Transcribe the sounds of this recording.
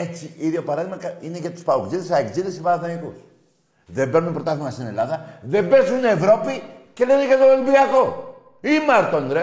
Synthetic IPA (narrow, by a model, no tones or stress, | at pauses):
et͡siiðjopɐɾɐðimɐkine̞cet̪u̥spɐokziðesɐekziðesepɐɾɐθɐnikus | ðebeɾnunpɾo̞t̪ɐθumɐst̪ine̞lɐðɐðebesunevɾo̞pice̞leneket̪ovelbiɐko | imɐɾt̪ond̪ɾe